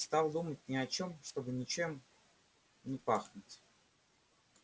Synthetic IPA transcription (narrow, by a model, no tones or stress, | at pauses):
st̪ɑlˠd̪umətʲnʲɪɐt͡ɕo̞mʂt̪o̞bɨnʲɪt͡ɕe̞m | nʲɪpaxnʊtʲ